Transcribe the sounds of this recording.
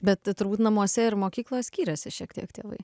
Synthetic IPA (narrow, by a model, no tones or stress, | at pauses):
bʲɛt̪t̪ʊrbuːt̪nɐmuɔsʲɛɪɾmoːkʲiːklˠoːjɛsʲkʲiːɾʲɛsʲɪʃʲiɛkt̪ʲḭɛkt̪ʲeːʋɐ̰ɪ